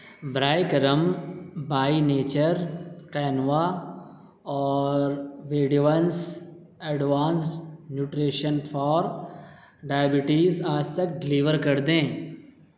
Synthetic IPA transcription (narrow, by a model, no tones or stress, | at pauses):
bɾaːjkɐɾəmbaːineːt͡ʃəɾqɛːnʋa | ɔːɾʋeːɖiʋəns | ɛɖʋaːnsʈnjuːʈɾeːʃənfɔːɾ | ɖaːjəbɪʈiːzaːd͡ʒt̪ɐk̚ɖɪliːʋəɾkɐɾd̪ẽː